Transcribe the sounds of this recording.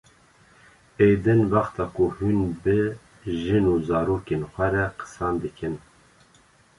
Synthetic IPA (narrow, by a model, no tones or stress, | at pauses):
ejd̪ɨnvɑxt̪ʰɑːkʰuhynbɨ | ʒɨnuːzɑːɾoːkeːnxʷɛɾɛqʰə̥sɑːnd̪ɨkʰɨn